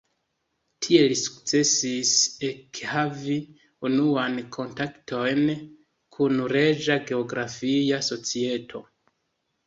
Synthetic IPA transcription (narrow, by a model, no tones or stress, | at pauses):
tʰie̞lisu̥kt͡se̞sisekhavi | unuankʰo̞ntaktʰo̞jn | kʰunɾe̞d͡ʒaɡe̞o̞ɡɾafijaso̞t͡sie̞tʰo̞̰